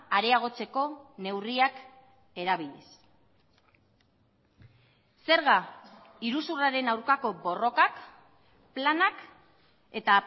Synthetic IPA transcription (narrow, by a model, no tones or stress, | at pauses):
aɾe̞aɣ̞o̞t͡se̞ko̞ne̞wriak | e̞ɾaβ̞iʎes | se̞ɾɣa | iɾusuraɾe̞nawɾkako̞bo̞ro̞kak | planak | e̞t̪a